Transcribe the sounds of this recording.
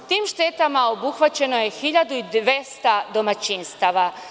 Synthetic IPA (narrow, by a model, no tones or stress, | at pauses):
t̪iːmʃt̪et̪amao̞buxʋat͡ɕe̞no̞jexiʎad̪uid̪ʋe̞st̪ad̪o̞mat͡ɕinst̪aʋa